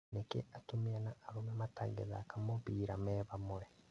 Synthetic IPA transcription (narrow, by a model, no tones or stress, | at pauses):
nekeatomianaʔːɾomemataɡḛza̰kamoβiːɾamɛːβamoɾɛ